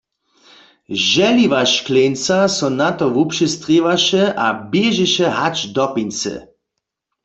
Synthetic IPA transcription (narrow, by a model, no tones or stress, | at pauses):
ʒɛliʋaʃklent͡sasɔnat̪ɔʋupʃɛst̪ʁeʋaʃɛʔabjeʒɛʃɛɦat͡ʃd̪ɔpint͡sɛ̰